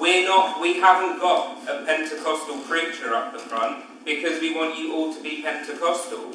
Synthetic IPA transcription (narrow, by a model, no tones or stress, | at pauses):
wɪənəʔwiɦavə̃nɡ̥ɒtəpʰɛ̃ntʰɪkʰɒstəlˠpʰɹ̥ɪt͡ʃəɹʌ̰p̚ðəfɹʌ̃nʔ | b̥ɪkʰɒzwiwɒ̃nt͡ʃəʔɔːlˠtʰəbipʰɛ̃ntɪkʰɒstəl̩ˠ